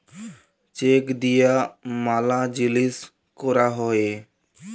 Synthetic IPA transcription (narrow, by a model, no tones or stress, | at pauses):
t͡ʃeːkd̪ijaːmaːlaːd͡ʒɪlis | koɾaːɦoːeː